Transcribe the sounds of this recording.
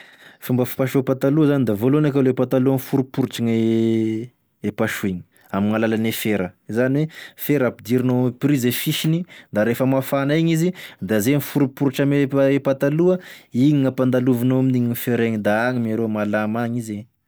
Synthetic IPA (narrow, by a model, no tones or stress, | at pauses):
fumbəfi̥paʃupat̪aluəzanid̪avolonakaleepat̪aluənfuɾupuɾuʈ͡ʂiŋe | epaʃueɲi̥ | amiŋalalanefeɾəzaniwefeɾapid̪iɾinoamipɾizefiʃinid̪aɾefəmafanaiɲizid̪azenifuɾupuɾuʈ͡ʂameepat̪aluəiɲiŋapand̪aluvinoaminiɲinifeɾeɲid̪aaŋimaɾomalamaŋize